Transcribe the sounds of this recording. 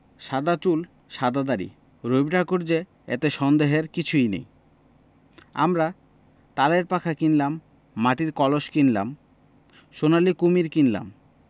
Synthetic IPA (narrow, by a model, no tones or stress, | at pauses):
ʃad̪at͡ɕul | ʃad̪ad̪aɾḭ | ɾobʈakoɾd͡ʑe | ḛt̪eʃɔnd̪eɦeɾkit͡ɕʰujnḛj | a̰mɾa | t̪aleɾpakʰakinlamː | aʈiɾkɔloʃkinla̰m | ʃonalikumiɾkinla̰m